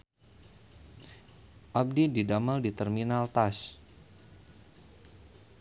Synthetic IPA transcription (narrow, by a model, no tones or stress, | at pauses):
ʔab̚dididaməldit̪ərminalt̪as